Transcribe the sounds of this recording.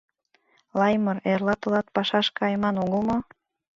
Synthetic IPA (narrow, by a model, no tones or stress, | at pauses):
lɑjmɤrerlɑt̪ɤ̆lɑt̪̚pɑʃɑʃkɑjmɑnuɣəlˠmo